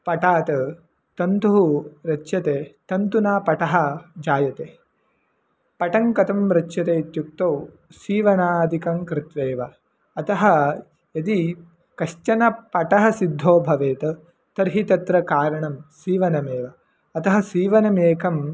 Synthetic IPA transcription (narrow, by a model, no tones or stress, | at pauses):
pɐʈaːt̪ɐ | t̪ɐnt̪uɦuɾɐt͡ʃːʃɐt̪eːt̪ɐnt̪unaːpɐʈɐɦɐd͡ʒaːjɐt̪eː | pɐʈɐŋkɐt̪ɐmɾɐt͡ʃːʃɐt̪eːit̪juk̚t̪ɐw | siːʋɐnaːd̪ʱikɐŋkɾɪt̪ʋeːʋɐ | ɐt̪ɐɦɐ̆ | jɐd̪i | kɐʃt͡ʃɐnɐpɐʈɐɦɐ̆sid̪ʱːoːbʱɐʋeːt̪ɐ | t̪ɐɾɦit̪ɐt̪ɾɐkaːɾɐɳɐmsiːʋɐnɐmeːʋɐ | ɐt̪ɐɦɐ̆siːʋɐnɐmeːkɐm